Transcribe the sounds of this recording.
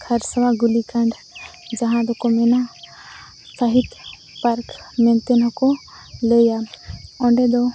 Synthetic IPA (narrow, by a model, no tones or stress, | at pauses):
kʰɐɾsɐʋaɡulikaɳɖ | d͡ʒɐɦãd̪ɔkɔmɛna | saɦit̪ | paɾkmɛ̃nt̪enɦɔkɔ | lejaɔ̃ɳɖed̪ɔ